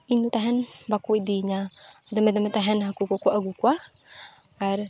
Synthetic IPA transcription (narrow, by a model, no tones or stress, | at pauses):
inut̪aɦɛnbakuid̪iɲa | d̪amɛd̪amɛt̪aɦɛnɦakukakʷaʔaɡukwaː | ɾ